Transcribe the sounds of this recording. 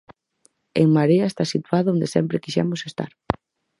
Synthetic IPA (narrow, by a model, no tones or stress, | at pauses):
ḛŋmaɾeaest̪asit̪waðond̪esɛ̰mpɾekiʃɛ̰mosest̪a̰ɾ